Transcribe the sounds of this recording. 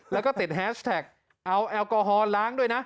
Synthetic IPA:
lɛː˨˦kɔː˨˦˥t̪i˨˩t̚ɦɛː˨˥st̪ʰɛː˨˩k̚ | ʔa˧wʔɛː˧wko˧ɦɔː˧laː˨˦˥ŋɗu˧əjna˨˦˥

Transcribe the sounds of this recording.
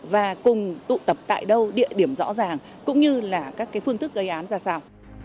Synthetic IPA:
vaː˨˩kʊ˨˩ŋ͡mt̪ṵ˧˨t̪ə˨˩p̚t̪a̰ː˧˨jɗə˧wɗḭ˧˨əɗi˧˩əmzɔ̰˧˥zaː˨˩ŋ | kʊ̰˧˥ŋ͡mɲɨ˧laː˨˩kaː˦˥kːaː˨˦jfɨ˧əŋt̪ʰɨ˦˥k̚ɣə˧jʔaː˨˦nzaː˧˩saː˧w

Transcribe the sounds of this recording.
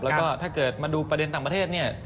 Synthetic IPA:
lɛː˦˥wkɔː˥˩t̪ʰaː˥˩kɤː˨˩t̪̚maː˧duː˧pɾa˧de˧nt̪aː˨˩pa˧eː˥˩t̪̚ni˥˩ɐ

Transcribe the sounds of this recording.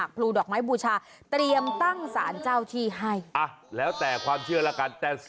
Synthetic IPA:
k̚pʰluː˧dɔː˨˩k̚maː˦˥jbuː˧˩t͡ɕʰaː˧ | t̪ɾi˧əmt̪a˥˩ŋsa̰ː˩˦nt͡ɕaː˧˥˩wt̪ʰiː˧˩ɦa˥˩jʔa˧˩lɛː˦˥wt̪ɛː˨˩kʰwaː˧mt͡ɕʰɯ˥˩ɐlɛː˦˥ka˧nt̪ɛː˨˩

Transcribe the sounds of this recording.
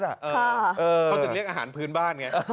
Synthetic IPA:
na˨˩ʔːʰa˥˩ʔɤː˧˩˧a˨˩li˥˩ək̚ʔaː˧ɦaː˩˦npʰɯː˦˥nbaː˥˩nŋa˦˥˧

